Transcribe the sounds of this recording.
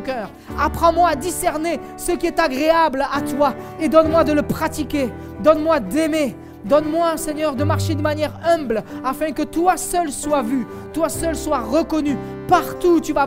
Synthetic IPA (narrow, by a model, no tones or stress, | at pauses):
kœːʁ | apχɑ̃mwaːd̪isɛʁne | səkʲiɛt̪aɡʁeablat̪waed̪ɔnmwad̪ələpχat̪ikʲe | d̪ɔnmwad̪ɛme | d̪ɔnmwasɛɲœʁd̪əmaʁʃed̪əmanjɛʁɛ̃blafɛ̃kət̪wasœlswavy | t̪wasœlswaʁəkɔny | paʁt̪ut̪yva